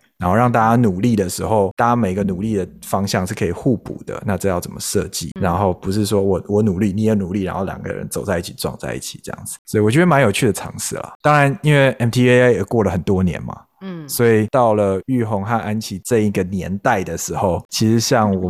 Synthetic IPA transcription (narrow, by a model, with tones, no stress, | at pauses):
ɻa˨˧˥nxo˥˧ʊɑ˥˧ŋt̪a˥˧˩t͡ɕa˥nu˨˩li˥˩d̪ə˩ʂɻ̩˧˥xo˥˨ʊt̪a˥a˥˩t͡ɕa˥me˨˩ɪ˧ɡə˧nu˨˩li˥˩d̪ə˩fɑ˥ŋɕjɑ˥˧ŋʂɻ̩˥˩kʰɤ˧i˨˩xu˥˩pṵ˨˩d̪̥ə̰˦na˥˧ʈ͡ʂɤ˥˧jɑ˥˩ʊt͡sə˨˩mə˦ʂɤ˥˧t͡ɕḭ˥˩ɻa˧˦˥nxo˥˩ʊpu˧˦ʂ̬ɻ̩˥˩ʂwɔ˥wɔ˨˩wɔ˨˧˥nu˨˩li˥˩ni˨˥jɛ˨˩nu˨˩li˥˩ɻa˧˥n˥xo˥˩ʊlja̰˨˩ŋɡə̰˦ɻə̰˧˦nt͡so˨˩ʊt͡sa˥˧ɪi˥˩t͡ɕʰi˨˩ʈ͡ʂwɑ̰˥˧ŋt͡sa̰˥˧ɪḭ˥˩t͡ɕʰi̥˨˩ʈ͡ʂɤ˥˩jɑ̰˥˩ŋd͡zɹ̩˨˩swɔ˧˥i˨˩wɔ˨˩t͡ɕɥɛ˧˥ma˦njo˨˩ʊt͡ɕʰy˥˩d̪ə˩ʈ͡ʂʰɑ̰˧˥ŋʂɹ̩˥˩la̰˩t̪ɑ˥ŋɻa˧˦ni˦˥nwe˥˩ɪʔɛ˨˩mt̪ʰi˥e˥e˥je˨˩kwɔ˥˩lə˩xə˨˩nt̪wɔ˦njɛ̰˧˦nma̰˨ | swɔ˧˥i˨˩t̪ɑ˥˩ʊlə˩y˥˩xŋxa˥˧na˦nt͡ɕʰi˧˥ʈ͡ʂɤ˥˧i˥˩ɡə˩njɛ̰˧˥nt̪a˥˩ɪd̪ə˩ʂɻ̩˧˥xo˥˩ʊt͡ɕʰi˧˥ʂɻ̩˧˥ɕjɑ˥˩ŋwɔ˨˩